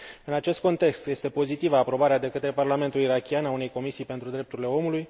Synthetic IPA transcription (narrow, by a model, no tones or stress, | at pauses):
ɨnat͡ʃe̞st̪̚ko̞nt̪e̞kst̪je̞st̪e̞po̞zit̪ivaːpɾo̞baɾead̪e̞kət̪ɾe̞parlame̞nt̪uliɾakʲianaune̞jko̞misijpe̞nt̪ɾud̪ɾe̞p̚t̪uɾile̞o̞muluj